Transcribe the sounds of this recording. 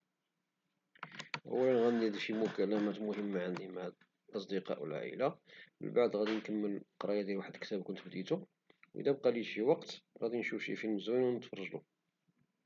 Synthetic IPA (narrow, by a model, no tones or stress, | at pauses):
ʔə̰wːælənɣænːid̪ʃimʊkælæmæt̪mʊhəmːaʕənd̪imaʕ | ɑs̬ˤd̪əqɑ̰ʔwə̰lʕa̰ʔə̰lamə̰nbaʕd̪ˤɣæd̪inkəmːəlqɾˤɑjad̪jælwaħəd̪lkt̪æbkʊnt̪bd̪it̪u | wʔḭd̪æbqɑliʃiwɑqt̪ɣæd̪inʃufʃḭfilməzwinwnət̪fɑɾˤʒlṵ